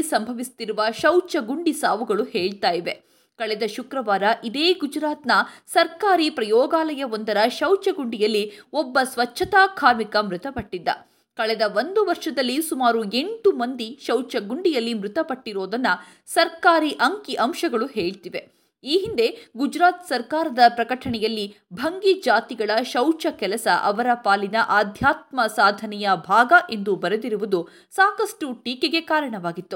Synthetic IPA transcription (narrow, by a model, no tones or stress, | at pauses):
isɐmbʱɐʋist̪iɾuʋɐʃɐwt͡ʃɐɡuɳɖisaːʋuɡɐɭuheːɭt̪aːjiʋe̞ | kɐɭɛd̪ɐʃukɾɐʋaːɾɐʔid̪eːɡud͡ʒɾaːt̪nɐsɐɾkaːɾipɾɐjɔːɡaːlɐjɐond̪ɐɾɐʃɐwt͡ʃɐɡuɳɖijɐlːiɔbːɐsʋɐt͡ʃʰːɐt̪aːkʰaːɾmikɐmɾɪt̪ɐpɐʈːid̪ːɐ̰ | kɐɭɛd̪ɐʋond̪uʋɐɾʂɐd̪ɐlːisumaːɾue̞ɳʈumɐnd̪iʃɐwt͡ʃɐɡuɳɖijɐlːimɾɪt̪ɐpɐʈːiɾoːd̪ɐnːɐ | sɐɾkaːɾiʔɐŋkiʔɐmʃɐɡɐɭuɦeːɭt̪iʋe̞ | iːɦind̪e̞ɡud͡ʒɾaːt̪sɐɾkaːɾɐd̪ɐpɾɐkɐʈʰɐɳɛjɐlːi | bʱɐŋɡid͡ʒaːt̪iɡɐɭɐʃɐwt͡ʃɐkɛlɐsɐʔɐʋɐɾɐpaːlinɐʔaːd̪ʱjaːt̪̚mɐsaːd̪ʱɐnɛjɐbʱaːɡɐʔe̞nd̪ubɐɾed̪iɾuʋud̪u | saːkɐʂʈuʈiːkeɡe̞kaːɾɐɳɐʋaːɡit̪ːu